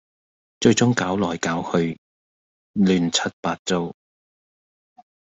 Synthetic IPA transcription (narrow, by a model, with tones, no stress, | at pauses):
t͡ʃɵ˧ɥt͡sʊ˥ŋkaː˨˥wlɔː˨˩jkaː˨˥whɵ˧ɥ | lyː˨˩nt͡sʰɐ˥t̚paː˧t̚t͡so˧w